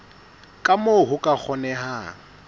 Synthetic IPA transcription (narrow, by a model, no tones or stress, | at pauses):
kʼamoɦʊkʼak͡xʰɔnɛɦaːŋ̩